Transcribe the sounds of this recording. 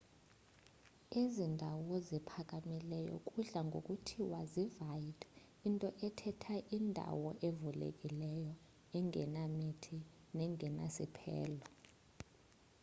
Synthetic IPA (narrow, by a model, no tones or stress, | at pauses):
ezindʱawɔzipʰak̬ʼamilɛjɔ̰kʼuɮaŋɡʱo̰kʼutʰiwazivajit | intʼɔʔɛtʰɛtʰaʔindʱa̰wɔʔevulḛkʼilɛjɔ | ɛŋɡʱɛ̰namitʰi | nɛŋʱɛnasḭpʰɛ̰ːlɔ